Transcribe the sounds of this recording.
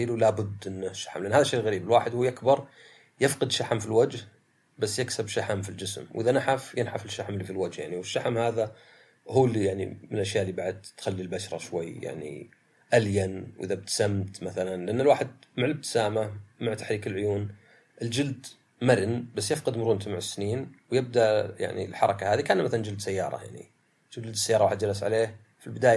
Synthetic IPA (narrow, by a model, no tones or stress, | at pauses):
iːlwlabʊd̪ːʔɪnːʃːḁħmlʔanːhaːðaʃːejːɣaɾiːbɪlwaːħɪd̪huːjʔakbɑɾˤ | jɪfqɨd̪ʃːaħmfilwad͡ʒh | basːjɪksabʃaħamfild͡ʒɪsmwʔɪðanaħafjɪnħafɪʃːaħmlifilwad͡ʒhjaʕniwɪʃːaħmhaːða | huːlːijaʕnḭmɪnʔaʃjaʔlːiːbaʕd̪̚t̪xalːilbaʃɾˤɑ̰ʃwajːja̰ʕnḭ | ʔaljanwʔɪðab̚t̪samt̪maθalanlɪʔanːalwaːħɪd̪̚maʕɪlɪb̚t̪ɪ̥saːmamaʕt̪ḁħɾiːkɪlʕʊjuːn | ʔɪld͡ʒɪld̪ | maɾɪnbasːjɪfqɑd̪mʊɾˤuːnt̪maʕɪsːɪniːnwjɪb̚d̪aʔja̰ʕnḭlħɑɾˤɑkahaːðikaʔnːmaθaland͡ʒɪld̪sajːɑ̰ːɾˤɑ̰ja̰ʕnḭ | d͡ʒɪld̪sːajɑːɾˤɑwaːħɪd̪d͡ʒalːas̬ʕa̰leːh | filbɪd̪aːj